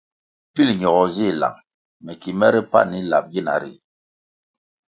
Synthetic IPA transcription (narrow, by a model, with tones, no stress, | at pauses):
pi˦˨lɲɔ˨ɣɔ˨zi˦˨la̰˨ŋ | mɛ˨ki˨mɛ˦ɾi˦pa̰˦ni˦la˨p̚ɡi˦˨na̰˨˦ɾḭ˨